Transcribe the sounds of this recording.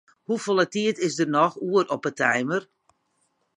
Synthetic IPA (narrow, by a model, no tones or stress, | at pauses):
hufolˠətiətɪsdərnɔxuəɾɔpətʰɛjmər